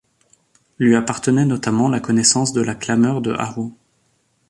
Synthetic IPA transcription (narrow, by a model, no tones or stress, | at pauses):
lɥiapaʁt̪ənɛnɔt̪amɑ̃lakɔnɛsɑ̃sd̪əlaklamœʁd̪ə̰ʔa̰ʁo